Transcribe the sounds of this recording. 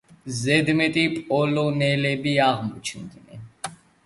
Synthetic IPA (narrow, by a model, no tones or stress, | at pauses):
zɛd̪mɛt̪ʼipʼɔlɔnɛlɛbiaʁmɔt͡ʃʰnd̪nɛn